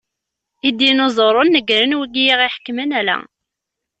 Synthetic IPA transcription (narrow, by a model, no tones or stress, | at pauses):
id̪inozˤoɾˤonːəɡɾənwiɡijiʁiħə̥kːmənælæ̰